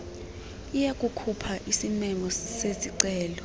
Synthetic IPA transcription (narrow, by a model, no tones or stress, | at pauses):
ijakʼukʰupʰaʔisimɛmɔseziǀɛːlɔ